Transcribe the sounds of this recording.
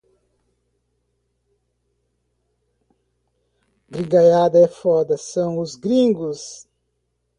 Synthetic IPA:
bɾiɡajad̪ɐɛfɔd̪ɐsɐ̃w̃ʊzɡɾĩŋɡʊs

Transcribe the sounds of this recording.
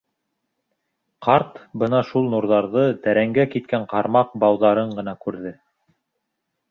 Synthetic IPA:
qʰɑɾt̪bɤnɑʃulˠnuɾðɑɾðɤt̪æɾæŋɡækit̪̚kæɴqɑɾmɑq̚bɑwðɑɾɤɴɢɤ̆n̪ɑkʉɾðɘ

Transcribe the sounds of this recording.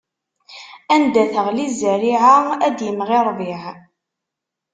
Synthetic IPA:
ænd̪æθəʁlizəɾiʕaæd̪jəmʁɪɾˤviʕ

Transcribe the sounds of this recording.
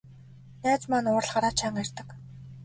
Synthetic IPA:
jaːt͡smanʊːr̆ɮχaɾaːt͡ɕʰaŋærʲt̪ə̆k

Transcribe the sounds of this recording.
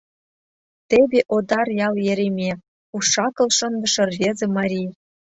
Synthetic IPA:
t̪ebʲeʔod̪ɑrjɑlˠjĕɾʲemʲe | uʂɑkɤ̆lˠʃɤ̆nd̪ɤ̆ʃɤ̆rvʲezĕmɑɾʲij

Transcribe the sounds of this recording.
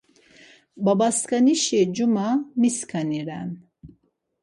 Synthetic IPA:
babaskaniʃɛd͡ʒumamiskʰaniɾa̰n

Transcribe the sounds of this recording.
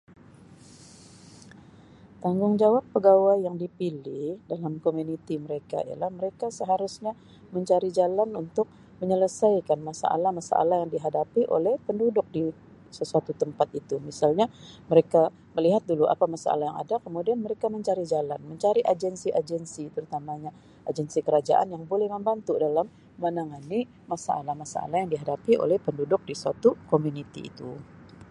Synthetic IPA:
t̪aŋɡʊŋd͡ʒawapːəɡawajːaŋdipilɪhdalamkomunit̪iməɾeka̰ḭa̰lahməɾekasəɦaɾʊsɲa | məɲt͡ʃaɾid͡ʒalanunt̪ʊk̚ | məɲələsajkanmasa̰ʔa̰lamasa̰ʔa̰lahjaŋdiɦadapiʔo̰lɛhpəndudʊk̚di | səsuat̪ut̪əmpat̪̚it̪umisalɲaməɾeka | məliɦat̪̚duluʔa̰pamasa̰a̰lahjaŋa̰dakəmudianməɾekaməɲt͡ʃaɾid͡ʒalanməɲt͡ʃaɾiʔad͡ʒɛnsiʔad͡ʒɛnsit̪əɾut̪amaɲa | ʔad͡ʒɛnsikəɾad͡ʒa̰ʔa̰njaŋbolɛhməmbant̪udalamː | anaŋani | masaalamasa̰a̰lajaŋdiɦadapiʔo̰lɛhpəndudʊk̚disuat̪ukomunit̪ḭḭt̪u

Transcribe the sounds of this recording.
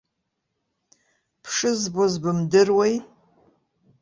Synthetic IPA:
pʰʂɨzbozbɨmdɨrwej

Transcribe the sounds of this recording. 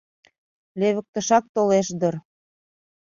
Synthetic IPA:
leβə̆k̚t̪ə̆ʃɑk̚t̪oleʃd̪ɤ̆r

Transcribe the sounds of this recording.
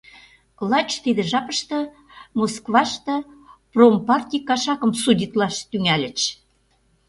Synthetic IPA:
klˠɑt͡ɕt̪id̪ɘ̆ʒɑpə̆ʃt̪ɤ̆ | moskvɑʃt̪ɤ̆prompɑrt̪ʲikːɑʃɑkə̆msudʲit̪lɑʃt̪yŋælʲɘ̆t͡ɕ

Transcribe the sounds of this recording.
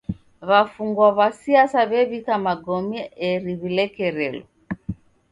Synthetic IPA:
βafuŋɡwaβasiasaβɛβikamaɡɔmɛɛɾiβilɛkɛɾɛlɔ̰

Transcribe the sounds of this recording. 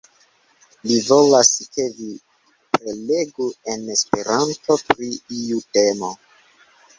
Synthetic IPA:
livo̞laskevi | pɾeleɡue̞ne̞spe̞ɾanto̞pɾiiute̞mo̞

